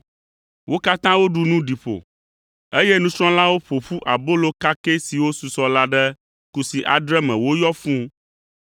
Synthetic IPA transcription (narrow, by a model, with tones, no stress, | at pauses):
wʔo˦ka˦t̪ã˦wo˦ɖu˨nũ˦ɖi˨ɸo̰˨ | e˦jɛ˦nũ˦sɾ̃ɔ̃˦la˦wo˦ɸo˨ɸu˦ʔa̰˨bo˦lo˦ka˦ke˦si˨wo˦su˨sɔ˦la˦ɖɛ˦ | ku˨si˨ʔa˨d̪ɾɛ˦mɛ̃˨wo˦jɔ˦fũ˦